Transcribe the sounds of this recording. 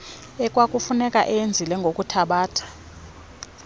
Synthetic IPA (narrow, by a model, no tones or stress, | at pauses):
ɛkʼwakʼufunɛkʼa̰ʔɛnd͡zʱilɛŋɡʱokʼutʰaɓaːtʰḁ